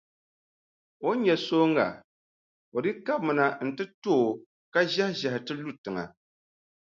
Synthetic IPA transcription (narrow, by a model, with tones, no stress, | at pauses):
o˦ɲɛ˨soː˦ŋɡa̰˨ | o˨dɨ˦ka˦b̚mɨ˨na˨n̩˨tɨ˦toː˦˨ | ka˦ʒa˦hʒɛ˨hɪ˨tɨ˦lu˦tɨ˨ŋa̰˨